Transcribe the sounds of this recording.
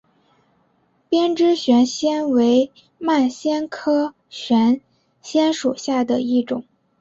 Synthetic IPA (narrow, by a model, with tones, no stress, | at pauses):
pjɛ˥nʈ͡ʂɻ̩˥ɕɥɛ˧˥nɕjɛ˥nwe˧˥ɪ | ma˥˩nɕjɛ˥nkʰɤ˥ | ɕɥɛ˧˥n | ɕjɛ˥nʂu˨˩ɕja˥˩d̪ə˩i˥˩ʈ͡ʂʊ˨˩˦ŋ